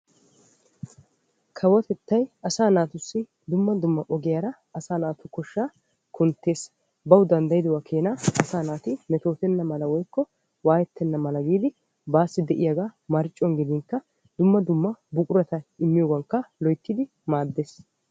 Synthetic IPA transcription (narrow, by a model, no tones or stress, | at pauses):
kʰɐwɔt̪ɛt̪ːɐjɐsaːnaːt̪ʊsːɪ | d̪ʊmːɐd̪ʊmːɐʔɔɡɪjaɾɐ | ʔɐsaːnaːt̪ʊkɔʃːaː | kʰʊnt̪ːe̞ːs | bɐwd̪ɐnd̪ɐjɪd̪ɔwakʰeːnɐʔɐsaːnaːt̪ɪmɛt̪o̞ːt̪ɛnːɐmɐlɐwɔjkːɔ | waːjɛt̪ːɛnːɐmɐlɐɡiːd̪ɪ | baːsːɪd̪ɛʔɪjɐɡaːmɐɾɪt͡ʃʼːɔŋɡɪd̪ɪŋkːɐ | d̪ʊmːɐd̪ʊmːɐbʊkʼʊɾɐt̪ɐɪmːɪjoːɡɐŋkːɐlɔjt̪ːɪd̪ɪ | maːd̪ːeːs